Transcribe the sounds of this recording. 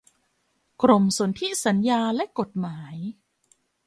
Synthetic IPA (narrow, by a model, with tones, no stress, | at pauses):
kɾo˧mso˩˦nt̪ʰi˦˥sa˩˦njaː˧lɛ˦˥ʔko˨˩t̪̚maː˩˦j